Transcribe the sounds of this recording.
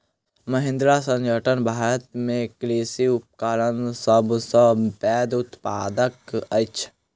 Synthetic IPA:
məɦɪ̃nd̪ɾasə̃nd͡ʒəʈənbʱaːt̪mẽkleːsiʊp̚kaːɾənsəbsəpɛːd̪ʊt̪paːd̪əkət͡ʃʰ

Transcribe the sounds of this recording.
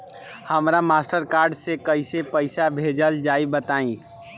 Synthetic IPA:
həmɾamaːsʈəɾkaːɾɖsekəɪsepəɪsabʱeːd͡ʒəld͡ʒaːibət̪aːĩ

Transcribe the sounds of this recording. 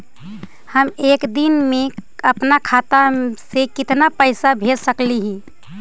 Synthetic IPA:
həmeːkd̪inmẽəpnakʰat̪asekɪt̪napəɪsabʱelsəkliɦĩ

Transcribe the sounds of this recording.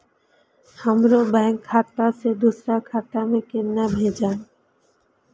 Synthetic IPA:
hamɾobaŋkʰːat̪̚pased̪usɾakʰat̪amekenːabʱed͡ʑan

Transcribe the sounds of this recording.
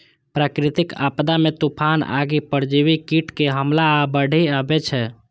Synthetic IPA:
pɾakɾit̪ika̰pd̪amet̪upʰana̰ɡipəɾd͡ʒiʋikiʈkeɦəmlaːbəɽ̤ʱiabɛt͡ʃʰɛ

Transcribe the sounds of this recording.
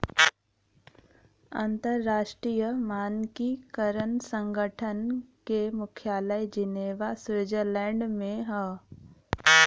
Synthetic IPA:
a̰nt̪əɾːaːʃʈɾiːjəmaːnkikəɾənsə̃ŋɡʱəʈʰənkemʊkʰjaːləjd͡ʒɪneːʋasʋɪd͡ʒəɾlɛ̃ːɳɖmẽɦɛː

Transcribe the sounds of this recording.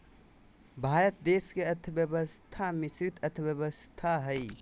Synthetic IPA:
bʱaːɾət̪̚d̪eːskeət̪ʰbjəbəst̪ʰamɪsɾɪt̪ət̪ʰəbjəbəst̪ʰaɦəi

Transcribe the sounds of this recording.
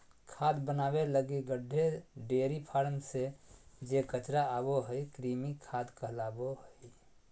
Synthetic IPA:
kʰad̪bənaːbeləɡiɡəɖʱːeɖeɾipʰaɾənsed͡ʒekət͡ʃɾaaboɦəikɾimikʰad̪kəɦlaːboɦəi

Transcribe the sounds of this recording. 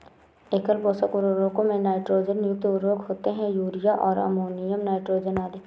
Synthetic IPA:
eːkəlpoːsəkʊɾoɾõːkõmẽnaːɪʈɾoːd͡ʒənjʊk̚t̪ʊɾoːkɦoːt̪eɦɛ̃juːɾɪjaʔɔːɾɐ̰moːnɪjəmnaːɪʈɾoːd͡ʒənaːd̪e

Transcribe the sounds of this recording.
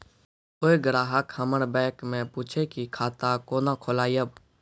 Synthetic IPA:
oːeɡɾaːɦəkhəməɾbɛ̃ːkmẽpuːt͡ʃʰekikʰaːt̪akoːnakʰolaːjəb

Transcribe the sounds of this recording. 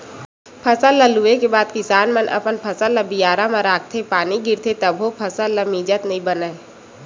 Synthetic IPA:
pʰəsaləluekebaːd̪kɪsaːnmənʔɐ̰pənpʰɐsələbijaːɾamaɾaːɡ̚t̪ʰepaːniɡɪɾt̪ʰet̪ɐbɦopʰɐsalɐmiːd͡ʒət̪nɐĩbɐnaːe

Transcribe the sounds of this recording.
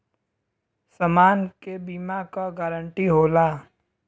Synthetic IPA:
səmaːnkebiːmakaɡaːɾəɳʈiɦoːlaː

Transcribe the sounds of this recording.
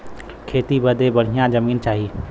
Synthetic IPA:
kʰeːt̪ibəd̪ʱebəɽ̤ijãd͡ʒəmiːnt͡ʃaːɦiː

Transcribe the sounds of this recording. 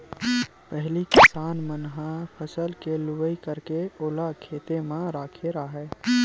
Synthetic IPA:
pəɦlikɪsaːnmənɦapʰəsəlkelʊbəikəɾkeoːlakʰeːt̪emãɾaːkʰeɾaɦɛː

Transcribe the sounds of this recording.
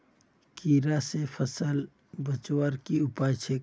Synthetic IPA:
kiɾasepʰəsəl | bət͡ʃwəɾkiupajt͡ʃʰe

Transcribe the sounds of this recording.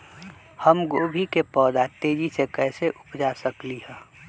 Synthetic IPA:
həmɡoːbʱikepɔːd̪at̪eːd͡ʒisekɛːseʔʊpd͡ʒasəkliɦɛ̃ː

